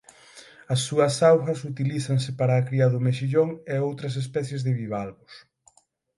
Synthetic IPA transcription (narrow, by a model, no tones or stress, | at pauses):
ɐsːuɐsawɣɐsut̪iliθɐŋsɪpaɾɐːkɾiaðʊmeʃiʎoŋeowt̪ɾɐs̬espɛθjezðɪβiβalɣʊs